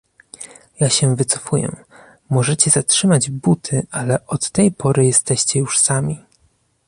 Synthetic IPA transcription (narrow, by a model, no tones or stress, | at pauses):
jaɕɛvɘt̪sɔ̥fujɛ̰ | mɔʐɛt͡ɕɛzatʂɘmad͡ʑbut̪ʰɘʔalɛʔɔt̪ːɛjpʰɔɾɘjɛst̪ɛɕt͡ɕɛjuʂsamʲi